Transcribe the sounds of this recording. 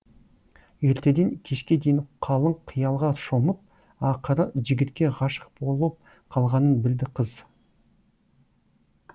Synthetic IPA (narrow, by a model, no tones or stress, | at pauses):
je̞ɾt̪e̞d̪eŋkʲʰe̞ʃkʲe̞d̪ejɪnqʰɑlˠəɴqʰijɑlˠʁɑʃoməp̚ | ɑqəɾəʒɪɡʲɪt̪kʲe̞ʁɑʃə̥q̚bo̞lˠp̚ | qʰɑlˠʁɑnənbɪld̪ɪqʰəz